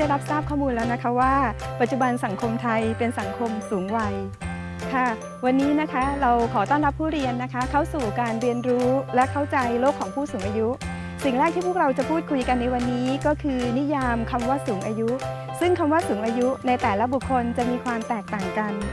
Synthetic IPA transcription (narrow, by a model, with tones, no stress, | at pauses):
da˥˩jɾa˦˥p̚saː˥˩p̚kʰɔː˥˩muː˧nlɛː˦˥wna˦˥kʰa˦˥waː˥˩pa˨˩t̪̚t͡ɕu˨˩ba˧nsa˩˦ŋkʰo˧mt̪ʰa˧jpe˧nsa˩˦ŋkʰo˧msuː˩˦ŋwa˧j | k̪ʰa˥˩ | wa˧nːiː˦˥na˦˥kʰa˦˥ɾa˧wkʰɔː˩˦t̪ɔː˥˩ŋɾa˦˥pʰːuː˥˩ɾi˧ənːa˦˥kʰa˦˥kʰa˥˩wsuː˨˩kaː˧nɾi˧ənɾuː˦˥lɛ˦˥ʔkʰa˥˩wt͡ɕa˧jloː˥˩kʰɔː˩˦ŋpʰuː˥˩suː˩˦ŋʔaː˧ju˦˥ʔ | si˨˩ŋɾɛː˥˩k̚t̪ʰiː˥˩pʰu˥˩k̚ɾa˧wt͡ɕa˨˩pʰuː˥˩t̪̚kʰu˧jka˧nːa˧jwa˧nːiː˦˥kɔː˥˩kʰɯː˧ni˦˥jaː˧mkʰa˧mwaː˥˩suː˩˦ŋʔaː˧ju˦˥ | sɯ˥˩ŋkʰa˧mwaː˥˩suː˩˦ŋʔaː˧ju˦˥na˧jt̪ɛː˨˩la˦˥bu˨˩kʰːo˧nt͡ɕa˨˩miː˧kʰwaː˧mt̪ɛː˨˩k̚t̪aː˨˩ŋka˧n